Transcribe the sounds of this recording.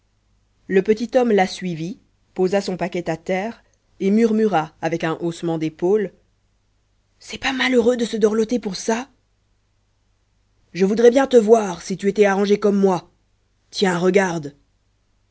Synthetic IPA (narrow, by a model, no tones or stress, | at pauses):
ləpət̪it̪ɔmlasɥivi | pozasɔ̃pakʲɛt̪at̪ɛːʁ | emyʁmyʁaːvɛkɛ̃ʔosmɑ̃d̪epol | sɛpamaløʁød̪əsəd̪ɔʁlɔt̪epuʁsa | ʒəvud̪ʁɛbjɛ̃t̪əvwaʁsit̪yet̪ɛaʁɑ̃ʒekɔmːwa | t̪jɛ̃ʁəɡaʁd̪